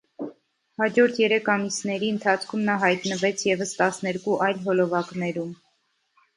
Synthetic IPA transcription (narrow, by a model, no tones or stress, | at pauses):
hɑd͡ʒɔɾt̪ʰjɛɾɛkʰɑmisnɛɾiənt̪ʰɑt͡sʰkʰumnɑɦɑjt̪nəvɛt͡sʰjɛvəst̪ɑsnɛɾkuʔɑjlɦɔlɔvɑknɛɾum